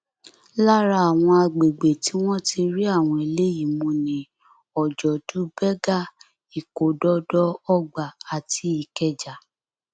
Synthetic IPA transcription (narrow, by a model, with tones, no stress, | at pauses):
la˦ɾa˧˦a˨w̃ɔ̃˧a˧ɡ͡be˨ɡ͡be˨ti˨˦w̃ɔ̃˦ti˧ɾi˦a˦˨w̃ɔ̃˧i˨le˦ji˦˨mũ˧nĩ˨ | ɔ˨d͡ʒɔ˨tu˨˦bɛ˦ɡa˦˨ | i˨ko˨dɔ˦dɔ˦ɔ˦˨ɡ͡ba˨a˨tʰi˧˦i˨kɛ˨d͡ʒa˨